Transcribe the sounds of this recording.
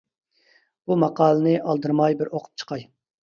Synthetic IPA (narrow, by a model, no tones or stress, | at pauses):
b̥umɑqɑːlˠɨnɨʔɑlˠd̪ɨɾmɑjbɪɾoqʰʊ̥p̚t͡ʃʰə̥qʰɑj